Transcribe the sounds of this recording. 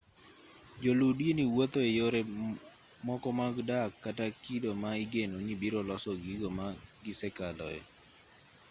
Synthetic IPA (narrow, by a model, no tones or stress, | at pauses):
d͡ʒoludjeniwot̪oejoɾe | mɔkɔmaɡdakːatakidomaiɡenoɲibiɾɔlɔsɔɡiɡɔmaɡɪsɛkalɔ̰ɛ̰